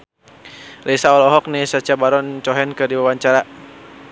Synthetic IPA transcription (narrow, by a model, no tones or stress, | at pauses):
resaɔlɔɦɔk̚nɪhsat͡ʃabaɾɔnt͡ʃɔɦɛnkədiwawaɲt͡ʃaɾa